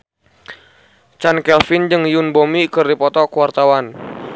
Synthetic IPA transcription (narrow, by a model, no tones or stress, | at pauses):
t͡ʃankɛlfɪnd͡ʒɨŋjunbomikɨrdipɔt̪ɔkəwart̪awan